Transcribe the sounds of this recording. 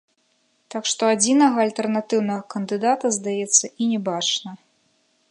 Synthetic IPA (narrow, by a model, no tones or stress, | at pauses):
t̪akʂt̪ɔad͡zʲinɐɣɐːlʲt̪ɛrnat̪ɨwnɐɣɐkɐnd̪ɨd̪at̪ɐzd̪ajɛt̪sːɐʔinʲɛbat͡ʂnɐ